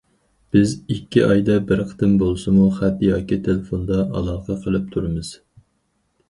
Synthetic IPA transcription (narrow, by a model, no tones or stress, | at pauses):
b̥ɪzikʲʰːiʔɑjd̪ɑbɪɾqʰt̪ɨmbolˠsɨmuχæt̪jɑːkʲit̪ʰelɪfond̪ɑʔɑ̰lˠɑːqʰɑqʰəlˠɨp̚t̪ʰuɾɨmɨz̥